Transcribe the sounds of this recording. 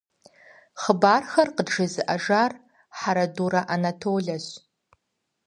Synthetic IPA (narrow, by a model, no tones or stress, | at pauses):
χəbaːrxɐrqədʐɐzɨʔɐʒaːr | ħaɾɐduɾɐʔanatʰoːɮɐɕ